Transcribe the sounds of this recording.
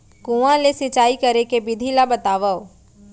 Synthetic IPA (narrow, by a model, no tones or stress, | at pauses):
kũʋãlesɪt͡ʃaːikɐɾekebɪd̪ʱilabət̪aːʋəo